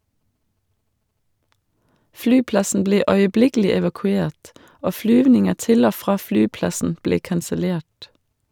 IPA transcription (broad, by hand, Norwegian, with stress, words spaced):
ˈflyːˌplɑsn̩ ˈbleː œʏəˈblɪkl̩ɪ ɛʋɑkʉˈeːʈ ˈoː ˈflyːʋnɪŋə ˈtɪl ˈoː ˈfʁɑː ˈflyːˌplɑsn̩ ˈbleː kɑnsəˈleːʈ